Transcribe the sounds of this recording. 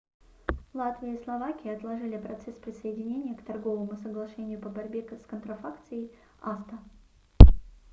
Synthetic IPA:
lˠat̪vʲɪjəislˠɐvakʲɪjɪɐt̪lˠɐʐɨlʲɪpɾɐt̪sɛspɾʲɪsəɪdʲɪnʲenʲɪjəkt̪ɐrɡo̞vəmʊsəɡlˠɐʂɛnʲɪjʊpəbɐɾʲbʲeskənt̪ɾɐfakt̪sɨjɪj | ast̪ə

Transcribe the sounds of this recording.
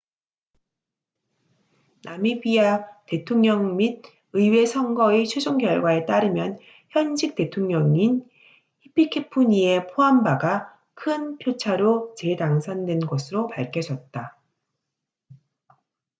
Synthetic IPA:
nʔamibiate̞tʰoŋɲʌŋmid̚ | ɯiwe̞sʰʌŋɡʌit͡ɕʰwed͡ʑoŋɡjʌɭɡwae̞t͈aɾɯmjʌn | çjʌnd͡ʑik̚t͈e̞tʰoŋɲʌŋin | hipʰikʰepʰuɲie̞pʰoambaɡa | kʰɯnpʰjot͡ɕʰaɾot͡ɕe̞taŋsʰandwe̞nɡʌsʰɯɾopaɭkʰjʌd͡ʑʌt̚t͈a

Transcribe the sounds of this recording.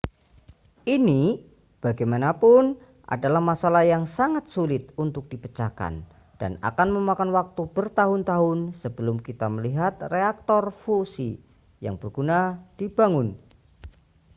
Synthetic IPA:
ʔini | b̥aɡajmanapʊn | ʔa̰dalahmasalahjaŋsaŋat̪̚sulɪt̪̚unt̪ʊk̚d̥ipət͡ʃaka̰n | d̥a̰na̰kanməmakanwak̚t̪ubərt̪aɦʊnt̪aɦʊnsəbəlʊmkit̪aməliɦat̪̚reak̚t̪ɔrfusḭ | ja̰ŋb̥ərɡ̥unad̥ib̥aŋʊn

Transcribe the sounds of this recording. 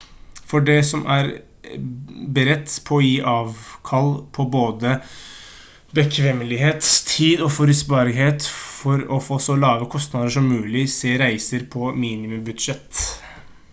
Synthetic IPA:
fɔɖɛsɔmʔæɾ | bɾɛt̪ːpʰɔɔjiːʔɑːʋkʰɑlpʰɔboːd̪ə | bəkʰʋɛmːəlɪheːt̪t̪ʰiːd̪ɔfɔɾʉsbɑːɾɪɦeːt̪fɔɾɔfoːsɔlɑːʋəkʰɔst̪nɑd̪əʂɔmːʉːlɪseːɾæɪsəɾpʰɔmiːnɪmʉmbʉd̪ʂɛt̪

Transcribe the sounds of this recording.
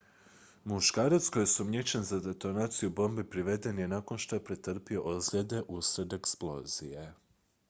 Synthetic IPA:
muʃkaːɾat̪sko̞jesumɲet͡ɕenzad̪e̞t̪o̞naːt̪sijubo̞mbepɾiʋe̞d̪e̞nje̞nako̞nʃt̪ojepɾet̪r̩pio̞ʔozlʎʲe̞d̪e̞ʔusɾed̪e̞ksplˠo̞̰ːz̥ije̞

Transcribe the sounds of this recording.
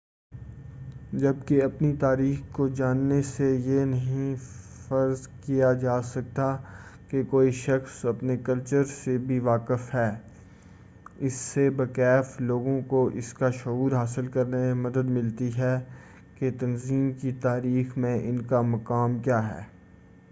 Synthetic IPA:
d͡ʒɐb̚keɐpnit̪aːɾiːxkod͡ʒaːnːesejenɐɦĩ | fɐɾzkijad͡ʒaːsɐk̚t̪akekoːiʃɐxsɐpnekɐlt͡ʃəɾsebʱiʋaːkɪfɦɛː | ɪsːebɐkɛːfloːɡõkoʔɪskaʃʊuːɾɦaːsɪlkɐɾnememɐd̪əd̪mɪlt̪iɦɛ | ket̪ɐnziːmkit̪aːɾiːxmẽʔɪnkamɐkaːmkjaːɦɛ̰ː

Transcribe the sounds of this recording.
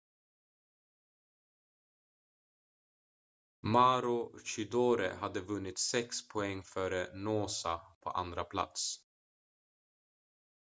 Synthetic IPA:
maːɾʊʃʏd̪oːɾə̰had̪əvɵnːɪt̪sɛkspʰʊɛŋːfœːɾənoːsapʰɔ̰ːʔa̰nd̪ɾapʰla̰t̪s

